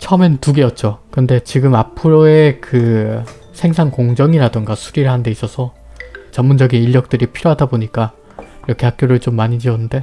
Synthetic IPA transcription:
t͡ɕʰʌʌme̞ntuɡe̞jʌt̚t͡ɕ͈okɯnde̞t͡ɕiɡɯmapʰɯɾoe̞kɯ | sʰe̞ŋsʰaŋkoŋd͡ʑʌŋiɾadɯŋɡasʰuɾiɾɯɦande̞is͈ʌsʰʌ | t͡ɕʌmːund͡ʑʌɡiniʎːʌk̚t͈ɯɾipʰiɾjoɦadaboɲik͈a | iɾʌkʰe̞hak͈joɾɯɭt͡ɕomːaɲid͡ʑiʌnːɯnde̞

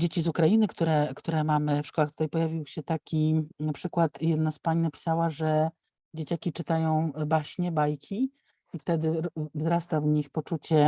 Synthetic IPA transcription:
d͡ʑet͡ɕizukɾajinɘkt̪uɾɛkt̪uɾɛmamɘfʂkɔwaxkt̪ut̪ajpɔjavʲiwɕɛt̪akʲinapʂɘkwat̪jɛd̪naspaɲnapʲi̥sawaʐɛ | d͡ʑet͡ɕakʲit͡ʂɘt̪ajɔ̃w̃baɕɲɛbajkʲʰi | ift̪ɛd̪ɘvzɾast̪avɲixpɔt͡ʂut͡ɕɛ

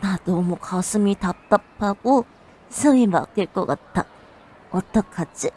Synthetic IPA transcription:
nat̪omukʰasʰɯmit̪ap̚t̪͈apʰːaɡo | sʰɯŋima̰k͈eɭk͈ɔkat͈ːa | ot̪͈ʌkʰːat͡ɕi

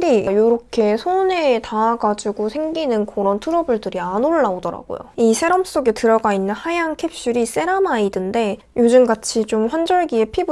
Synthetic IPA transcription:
ɾijoɾʌkʰe̞sʰone̞taːɡad͡ʑiɡosʰe̞ŋɡinɯnkʌɾʌntʰuɾʌbuɭdɯɾianoɭːaodʌɾa̰ɡo̰jo̰isʰe̞ɾʌms͈oɡe̞tɯɾʌɡainːɯnhajaŋkʰep̚ɕ͈uɾis͈e̞ɾamaidɯnde̞ | jod͡ʑumɡat͡ɕʰit͡ɕomɸwand͡ʑʌɭɡie̞pʰib

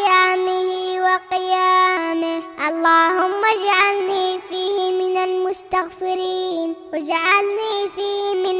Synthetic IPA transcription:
jaːmɪhɪwɑqɪjaːmɪhʔɑlˤːaːhʊmːad͡ʒaʕalniːfiːhɪmɪnalmʊst̪aɣfɪɾiːnwad͡ʒaʕalniːfiːhɪmɪn

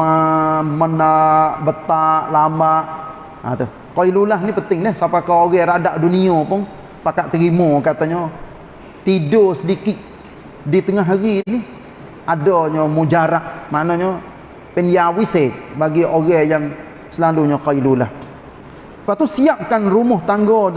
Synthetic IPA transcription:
amənaʔbət̪aʔlamaʔ | t̪u | koilulaɦnipənt̪ɪŋlɛhsapakaoɣɛɾadaʔduniopʊŋ | pakaʔt̪əɾimokat̪aɲɔ | t̪idosədikɪʔ̪̚ | dit̪əŋaɦaɣini | adɔɲɔmud͡ʒaɾaʔmanɔɲɔ | pɛniawisebaɡiʔoɣɛjaŋ | səlaluɲɔkoilulah | paʔt̪usiap̚kanrumʊht̪aŋɡɔ

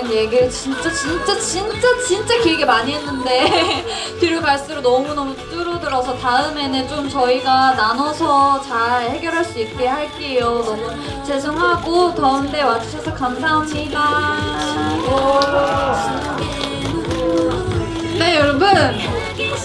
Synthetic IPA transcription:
ɯnjeɡiɾɯt͡ɕint͡ɕ͈at͡ɕint͡ɕ͈at͡ɕint͡ɕ͈at͡ɕint͡ɕ͈akiɭɡemaɲiɦe̞nːɯnde̞ | tɯɾjopaɭs͈ɯɾonʌmunʌmut͈ɯɾʌdɯɾʌsʰʌtaɯme̞nɯnt͡ɕomt͡ɕʌiɡananʌsʰʌt͡ɕaɭhe̞ɡjʌɾɦaɭs͈uik͈e̞haɭk͈ejonʌmu | t͡ɕe̞d͡ʑʰoŋɦaɡotʌɯnde̞wat͡ɕʰuɕʰʌsʰʌkamsʰaɦamɲida | ʌ | ne̞joɾbɯnn

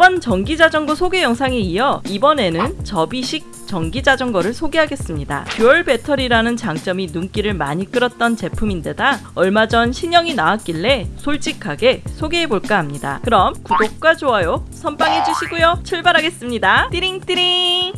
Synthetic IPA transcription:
bʌnt͡ɕʌŋɡid͡ʑad͡ʑʌŋɡosʰoɡe̞jʌŋsʰaŋeijʌibʌne̞nɯnt͡ɕʌbiɕʰik̚t͡ɕ͈ʌŋɡid͡ʑad͡ʑʌŋɡʌɾɯɭsʰoɡe̞ɦaɡe̞s͈ɯmɲida̰kjoʌɭbe̞tʰʌɾiɾanɯnt͡ɕaŋt͡ɕ͈ʌminuŋk͈iɾɯɭmaɲik͈ɯɾʌt̚t͈ʌnt͡ɕe̞pʰuminde̞daʌɭmad͡ʑʌnɕʰiɲʌŋinawak͈iɭːe̞sʰoɭt͡ɕ͈ikʰaɡe̞sʰoɡeɦeboɭk͈aɦamɲida̰kɯɾʌmkuɡok̚k͈wad͡ʑoajosʰʌnpaŋɦe̞d͡ʑuɕʰiɡujot͡ɕʰɯɭbaɾɦaɡe̞s͈ɯmɲidat͈iɾiŋt͈iɾi

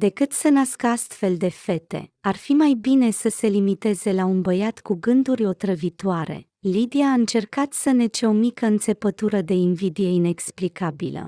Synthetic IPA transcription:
d̪e̞kɨt̪sənaskəast̪fe̞ld̪e̞fe̞t̪e̞̰arfimajbine̞səse̞limit̪e̞ze̞launbəjat̪kuɡɨnd̪uɾʲo̞t̪ɾəvit̪oaɾe̞̰ | lid̪iaːɨnt͡ʃe̞rkat̪səne̞t͡ʃeo̞mikəɨnt̪se̞pət̪uɾəd̪e̞invid̪ije̞ine̞ksplikabilə̰

